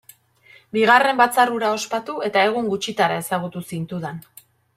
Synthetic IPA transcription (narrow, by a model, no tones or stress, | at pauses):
biɣ̞are̞mbat͡saruɾao̞spat̪ue̞t̪ae̞ɣuŋɡut͡ʃit̪aɾae̞saɣ̞ut̪usint̪uðan